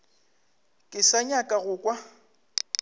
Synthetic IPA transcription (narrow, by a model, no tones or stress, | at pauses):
kʼɪsaɲakʼaɣʊːkʼwa